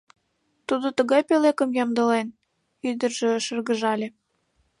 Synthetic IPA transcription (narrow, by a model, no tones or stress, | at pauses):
t̪ud̪ot̪əɣɑjpelekə̆mjɑmd̪ə̆len | yd̪ərʒĕʃə̆rɣəʒɑlʲe